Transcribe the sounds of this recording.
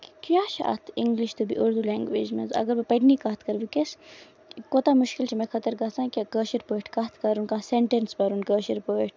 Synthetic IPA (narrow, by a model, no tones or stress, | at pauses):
kkjaːʃʰa̰a̰t̪ʰiŋɡliʃt̪ubḭʔuɾd̪uːlɛːŋɡʋḛːd͡ʒmḛ̃zɐ̰ɡɐɾbɐpɐʈniːkaːt̪ʰkɐɾʋikes | koːt̪aːmʊʃkilt͡ʃʰimẽkʰɐt̪əɾkɐsãːkʲakəːʃiɾpoːʈʰkɐt̪ʰkɐɾunkãseɳʈenspɐɾunkəːʃiɾpoiʈ̚ʰ